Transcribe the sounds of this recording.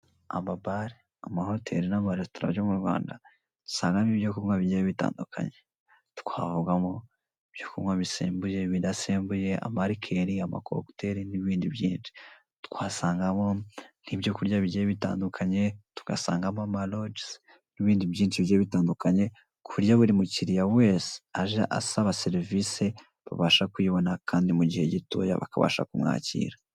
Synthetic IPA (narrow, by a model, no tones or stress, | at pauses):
a̰mabaɾi | amaho̞tʰe̞̰ɾinamaɾestoɾa̰jomuɾɡwa̰ːnda̰ | tu̥saːŋɡamibjokuŋwaβiɟejeβita̰ːndukʰa̰ɲe̞ | tu̥kʰwaːvuɡamo | ibjo̞kuŋwaβisḛːmbuje̞βidaseːmbuje̞a̰maɾikʰe̞ɾiama̰kʰo̰kte̞ɾiniβiːndibjiːnt͡ʃi̥ | tu̥kwaːsaːŋɡamo̞n̥ibjo̞kuɾjaβiɟeβita̰ːndukʰaɲe̞tu̥ɡ̥a̰saːŋɡamamalod͡ʒs | niβiːndibjiːnt͡ʃiβijeβitaːndukaɲe̞ | kʰuɾjaβuɾimuciɾijaweːse̥aʒaʔa̰saβaseɾivise | βa̰βaʃakwiβo̞nakʰaːndimuɟihe̞ɟito̰ja̰βa̰kaβa̰ːʃa̰kumŋa̰ːcḭːɾa